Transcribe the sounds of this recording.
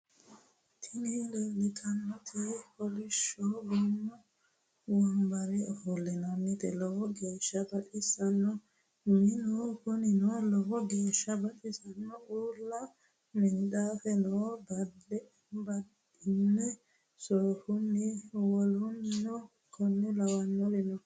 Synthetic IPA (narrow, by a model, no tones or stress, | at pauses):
t̪ʰɪnilelɪt̪ʰʼɐnːɔt̪ʰepɔlɪʃɔɡɔnːɔ | wɐmbɐɾɛfulːɛnanːɪt̪ɛlɔhɔɡeːʃːɐbɐᶑɪsɐnːɔ | mɪnɔkʊnɪnɔlɔhɔɡeːʃːɐbɐɗɪsɐnːɔuːlːɐ | mɪnɗafɛnɔbɐdɛ | bɐd | ɪnːɛ | soːhʊnːɪwɔlʊnnɔ | kɔnːɛlɐwɐnːɔlɪnɔ